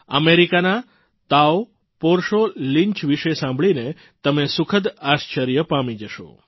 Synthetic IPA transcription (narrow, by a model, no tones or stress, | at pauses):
ə̰meɾikana | t̪aw | poɾʃolĩɲt͡ʃʋiʃesãmbʱɭine | t̪əmesʊkʰəd̪ast͡ʃəɾjəpamid͡ʒəʃo̰